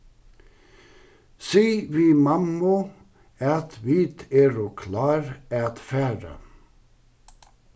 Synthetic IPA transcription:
siːʋiːmɑmʊ | ɑt̪ʰʋiːt̪ʰeːɾoːkʰlɑːɾɑt̪fæːɾə̰

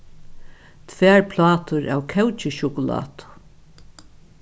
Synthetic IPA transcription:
t̪ʰvɛːɹpʰlɑːt̪ʊɹa̰wkʰɛwt͡ʃɪʃʊkʊla̰ːt̪ʊ̥

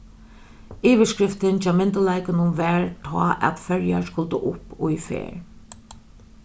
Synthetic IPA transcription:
iːʋəskɾɪft̪ɪnt͡ʃɛːmɪnt̪əlaɪkənʊmʋɛːɹt̪ʰɑ̰ːʔæ̰t̪fœɹja̰skʊlt̪əʔʊpːʊjfḛːɹ

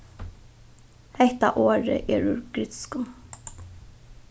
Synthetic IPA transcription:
hɛht̪a̰ʔoːɾɪ̰ʔɛɾʉɹɡɾɪt̪ɪ̥skʊm

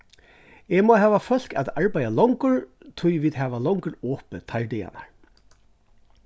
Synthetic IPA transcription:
ɛːmɔːɦɛːvafœl̥ka̰ːðaɹpajalɔwŋkʊɹt̪ʰʊjviːd̪ɦɛːʋalɔŋkəɾɔːpət̪ʰajɹd̪ɛja̰na̰ɹ

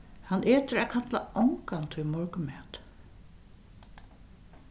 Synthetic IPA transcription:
hanʔeːt̪əɾækʰat̪la̰ʔɔŋkant̪ʰʏmɔɹkʏmɛːt̪

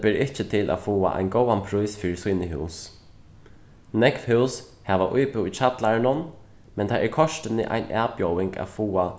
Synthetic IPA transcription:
pɪɾɪht͡ʃət̪ʰɪlʔa̰fuːa̰ʔa̰jnɡɔːwanpʰɾujsfiːɾɪsiːnəɦʉws | nɛkfhʉws | hɛʋaʔʊjpɪwit͡ʃʰat̪laɹnʊn | mɛnt̪ʰaɛɹkʰɔʂt̪ɪnɪ̰ʔa̰jnɛːpjɔwɪŋka̰ːfuːa

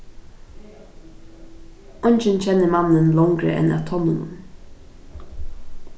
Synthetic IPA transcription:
ʔɔnt͡ʃɪnt͡ɕʰɛnːəmanənlɔŋɡɾə̰ʔɛ̰na̰ːʋt̪ʰɔnənə̰m

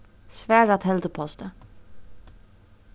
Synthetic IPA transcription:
sʋæːɖɑt̪hɛld̪əpʰɔst̪ə

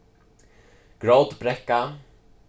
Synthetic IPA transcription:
ɡ̥ɾoːwd̪bɾɛkːa

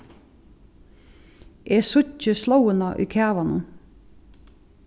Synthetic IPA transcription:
ʔeːsʊcəslɑwənɑʔḭːkʰæːʋɑnə

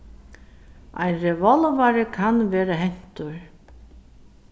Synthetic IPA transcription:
a̰jnrɛvɔlvaɾɪkʰanvɛːɾaɦɛn̥t̪ʊɾ

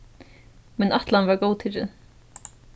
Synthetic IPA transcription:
mɛnaht̪lanvɛɹɡowt̪ʰɪɾɪ̰

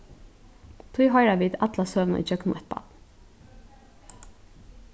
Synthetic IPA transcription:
t̪ʰʊjɦɔʏɾaʋiːd̪at̪lasøːʋna̰ʔḭːd͡ʒœknʊɛt̪̚ba̰t̪

